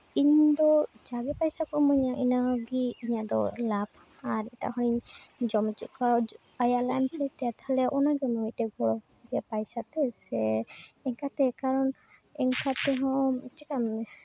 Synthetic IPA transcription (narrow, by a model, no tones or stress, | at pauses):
iɲd̪ɔd͡ʒaɡɛpajsakɔmɔɲaʔinaɡiːɲad̪ɔ̰lap̚ | aɾɛta̰ɦɔiɲd͡ʒɔmɛt͡ʃuʔka | ajalajmpʰɾit̪ɛat̪halɛʔɔnaɡɛnɔitɛɡɔɾɔ | d̪iapajsat̪ɛsɛɛŋkat̪ɛkaɾɔn | ɛŋkat̪ɛɦɔmɛt͡ʃikamnɛ